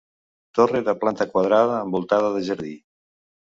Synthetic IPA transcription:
t̪oreðəplant̪əkwaðɾaðəːmbulˠt̪aðəðəʒəɾði

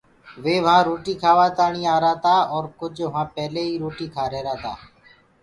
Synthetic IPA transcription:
ʋeːʋəɦãːɾoːʈiːkʰaːʋaːt̪aːɳĩːaːɾaːt̪aːɔːɾkʊd͡ʒʋʋãːpɛːleːɦiːɾoːʈiːkʰaːɾeːɾaːt̪aː

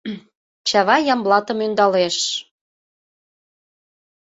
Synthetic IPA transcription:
t͡ɕɑβɑjɑmblɑt̪ə̆mynd̪ɑleʃ

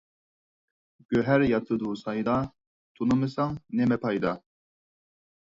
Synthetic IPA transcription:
ɡ̥øɦɛɾjɑt̪ʰɨd̪usɑjd̪ɑ | t̪ʰunumɨsɑŋnɛmɛpʰɑjd̪ɑ

